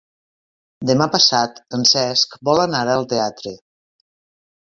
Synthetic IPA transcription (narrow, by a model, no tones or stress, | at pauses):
d̪əmapəsat̪ənsɛskbɔlənaɾəlˠt̪eat̪ɾe